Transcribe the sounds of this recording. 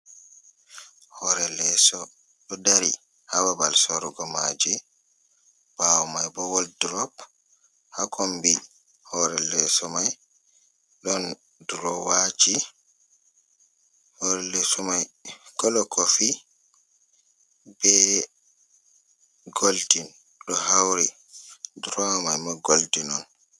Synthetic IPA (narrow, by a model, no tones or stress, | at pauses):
hɔɾɛlɛsɔ | ɗɔdaɾi | hababalsɔɾɡɔmad͡ʒɛ | bawmajbɔwɔldɾɔp | hakʰɔmbi | hɔɾɛlɛsɔmaj | ɗɔn | dɾɔwat͡ʃi | hɔɾɛlːɛsɔmajkɔlɔkɔfi | bɛ | ɡoltin | ɗɔhawɾi | dɾɔmajmaɡoltinɔn